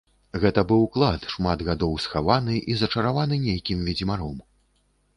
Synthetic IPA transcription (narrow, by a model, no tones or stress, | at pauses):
ɣɛt̪ɐbɨwklˠat̪ʂmad̪ɣad̪ɔwsxavanɨʔizɐt͡ʂɐɾavanɨnʲejkʲimvʲid͡zʲimaɾɔm